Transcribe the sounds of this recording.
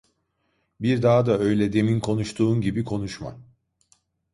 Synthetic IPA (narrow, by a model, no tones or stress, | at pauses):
biɾd̪aɦd̪aø̞jlʲɛd̪e̞minkʰo̞nuʃt̪ʰuːnɟibikʰo̞nuʃma̰